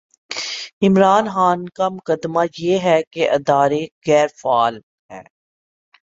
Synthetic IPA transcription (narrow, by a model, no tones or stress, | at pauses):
ɪmɾaːnxaːnkamʊkəd̪ːmajeɦɛkeʔɐd̪aːɾeɣɛːɾfaːl | ɦɛ̰ː